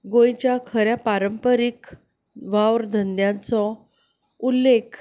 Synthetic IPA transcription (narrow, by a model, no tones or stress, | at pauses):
ɡõjt͡ɕjakʰəɾjapaɾəmpəɾik | ʋawɾd̪ʱənd̪jãnt͡sɔ | ulːekʰ